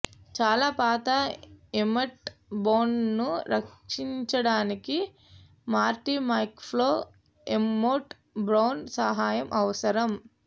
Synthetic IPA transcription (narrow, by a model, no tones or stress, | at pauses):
t͡ʃaːlaːpaːt̪ɐemɐʈboːnnuɾɐkʂiɲt͡ʃɐɽaːniki | maːɾʈimɐjkpʰloː | emːoːʈ | bɾɐwnsɐɦaːjɐmʔɐʋɐsɐɾɐm